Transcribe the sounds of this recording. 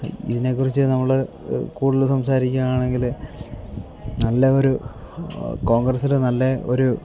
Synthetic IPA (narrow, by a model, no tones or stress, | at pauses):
ḭðine̞kːurit͡ɕːɨnɐmːɐɭe | kuːɽilsɐmsaːɾikʲːamaːɳe̞ŋɡil | nɐlːɐo̞ɾu | ko̞ːŋɡrɐsilenɐlːɐo̞ɾu